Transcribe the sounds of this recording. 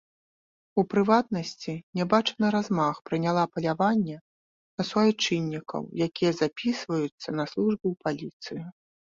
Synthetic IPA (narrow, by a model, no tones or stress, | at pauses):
upɾɨvat̪̚nɐsʲt͡sʲinʲɛbat͡ʂɐnɐɾazmaxpɾɨnʲalˠapɐlʲavanʲːɛ | nɐsvɔjt͡ʂɨnʲːikɐ̰wjakʲijɐzapʲisvɐjut̪sːɐnɐslˠuʐbɨwpalʲit̪sɨji